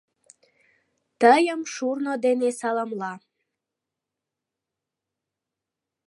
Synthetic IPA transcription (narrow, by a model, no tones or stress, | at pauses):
t̪əjəmʃurnod̪enesɑləmlɑ